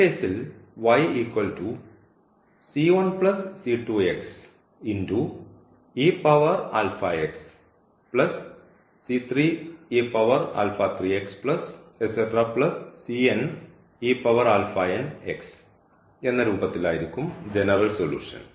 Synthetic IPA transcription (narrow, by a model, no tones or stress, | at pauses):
keːsilʋɐjiːkwɐlʈu | siːʋɐnpɭɐsːiːʈuːeks | indu | iːpɐʋɐra̰ːlfɐeks | plɐsː | it̪ʰriːepɐʋɐra̰ːlfat̪ʰriːekspɭɐseseʈraːplɐsːien | iːpɐʋɐɾaːlfaːeneks | e̞nːɐɾuːbɐt̪ːilaːjiɾikʲːumd͡ʑenɐrɐlsolṵːʂɐ̰n